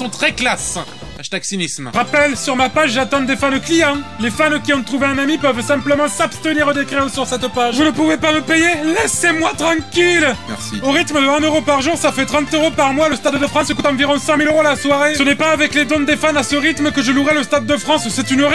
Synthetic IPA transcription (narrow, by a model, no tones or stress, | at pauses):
sɔ̃t̪χɛklas | aʃt̪aksinismʁapɛlsyʁmapaʒʒat̪ɑ̃d̪efanoklijɑ̃lefankʲiɔ̃t̪χuveɛ̃namipœvsɛ̃pləmɑ̃sapst̪əniʁod̪ekχeosyʁsɛt̪paʒvunəpuvepaməpejelɛsemwat̪χɑ̃kʲilmɛ̰sḭoʁit̪məd̪əɛ̃nøʁopaʁʒuʁsafɛt̪χɑ̃t̪øʁopaʁmwaləst̪ad̪d̪əfχɑ̃səkut̪ɑ̃viʁɔ̃sɛ̃miløʁoalaswaʁesənɛpaːvɛkled̪ɔ̃d̪efanasəʁit̪mkəʒəluʁɛləst̪ad̪ːəfχɑ̃ssɛt̪ynʁi